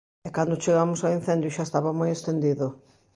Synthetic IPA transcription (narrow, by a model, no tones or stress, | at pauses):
ɛkand̪ʊt͡ʃeɣamʊsawin̟θẽnd̪jʊʃaest̪aβamojest̪end̪iðʊ